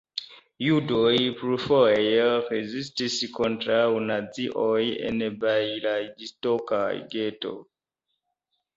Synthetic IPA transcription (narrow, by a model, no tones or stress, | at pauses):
judojpɾufoejeɾezistiskontɾawnad͡ziʔojḛnbajlajɡistoka̰ɡeto̞̰